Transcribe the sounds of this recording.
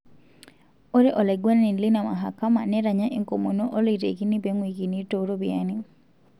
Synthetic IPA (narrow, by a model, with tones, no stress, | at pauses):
o˦ɾe˦ʔɔ˨lɛ˨ɡwa˦n˦ni˨nli˦na˨ma̰˨ɦa̰˨ka˦ma˨nɛ˦ɾa˨ɲa˦ʔi˨ŋko˨mo˨no˦ʔo˦li˨tḛ˨ki˦ni˦be˨˦ŋwi˨ki˨ni˦to˨˦ɾo˦bia˦ni˦